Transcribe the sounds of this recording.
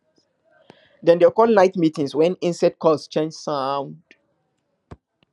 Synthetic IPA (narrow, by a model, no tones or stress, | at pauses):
dɛ̃ndekɔlnaɪtmitĩŋswɛ̃nĩnsad̚kʰɔst͡ʃẽnd͡ʒsawnd̥